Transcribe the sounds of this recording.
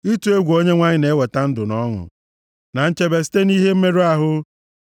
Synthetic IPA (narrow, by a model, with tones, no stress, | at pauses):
i˦tu˨˦e˦ɡʷo˦ɲe˦ŋʷa˦ɲɪ˦ne˨˦we˨ta˦n̩˦dʊ˨nɔ˦ŋʊ̰˨ | na˨n̩˦t͡ʃe˦be˨si̥˦te˦ni˦ɦe˦m̩˦me˦ɾe˦a˦ɦʊ˦